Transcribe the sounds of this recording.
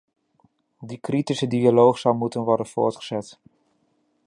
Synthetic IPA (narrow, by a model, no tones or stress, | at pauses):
dikritisədialowχsɑwmutənʋɔɹdənv̥ʊ̰ːɹtχəz̥ɛt